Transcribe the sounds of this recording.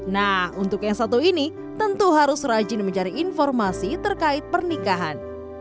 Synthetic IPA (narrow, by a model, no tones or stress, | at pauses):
nahunt̪ʊkjaŋsat̪uini | t̪ənt̪uɦaɾʊsrad͡ʒɪnməɲt͡ʃaɾiːnfɔrmasit̪ərkaɪt̪̚pərnikaɦan